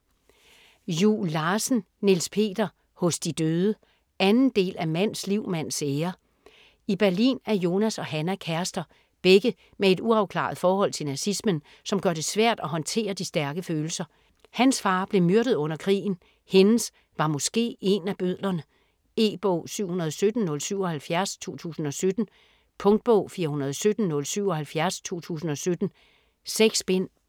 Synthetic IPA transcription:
julːɑ̈ːsn̩ | nilspʰe̝̰ːd̥ɐ | hɔ̽sd̥id̥øːðˠə | ænn̩d̥e̝̰ːlæmæn̰sliʊ̰mæn̰seːɐ | ib̥æɐlḭːnæɐjo̝ːnæsɒ̽ɦænækʰæɐsd̥ɐ | b̥eɡ̥ə | mee̝d̥uɑ̈ʊkʰlɑ̰̈ð̩ˠfɒːhɒ̽l̰t͡sʰe̝lnæsismən | sɒ̽mɡ̥ɶɐɾ̥e̝sʋæɐ̰d̥æɦɒ̽nt͡sʰe̝̰ːɐd̥isd̥æɐɡ̥əføːl̩sɐ | hænsfɑ̈ːb̥le̝myɐɾ̥ð̩ˠɔ̽n̰ɐkʰʁḭːn̩ | he̝n̩s | ʋɑ̈mɔ̽sɡ̥e̝̰ːe̝næb̥øð̰ˠlɐnə | e̝̰ːb̥ɔ̰ʊsyʊ̰hunɐð̞ˠɒ̽sød̥n̩nɔ̽lsyʊ̰ɒ̽hælfjæɐst͡sʰo̝ːt͡sʰṵːsn̩ɒ̽sød̥n̩ | pʰɔ̽ŋd̥̚b̥ɔ̰ʊ̰fiːɐhunɐð̞ˠɒ̽sød̥n̩nɔ̽lsyʊ̰ɒ̽hælfjæɐst͡sʰo̝̰ːt͡sʰṵːsn̩ɒ̽sød̥n̩ | seɡ̥sb̥en̰

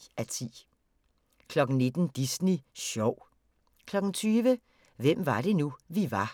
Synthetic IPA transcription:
æt͡sʰḭː | kʰlɒ̽ɡ̥n̩ne̝d̥n̩d̥isniɕɒʊ̰ | kʰlɒ̽ɡ̥n̩t͡sʰyːʋə | ʋem̰ʋɑ̈ɾ̥e̝nuʋiʋɑ̈

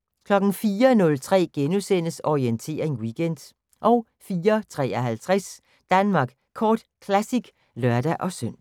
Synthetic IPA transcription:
kʰlɒ̽ɡ̥n̩fiːɐnɔ̽lt͡sʰʁɛ̰ːɡ̥enusen̰əsɒʁient͡sʰe̝̰ːɐʁeŋwiɡ̥en̰d̥ | ʔɒ̽ʊ | fiːɐt͡sʰʁɛ̰ːɐɦælt͡sʰʁas | d̥ænmɑ̈ɡ̥ | kʰɒːd̥kʰlæsiɡ̥ | lɶɐd̥æʔɒ̽søn̰

